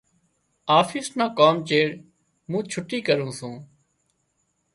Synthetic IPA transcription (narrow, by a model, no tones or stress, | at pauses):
aːfɪːsnãːkoːmt͡ʃeːɾ | mũːt͡ʃʰʊʈiːkəɾũːsũː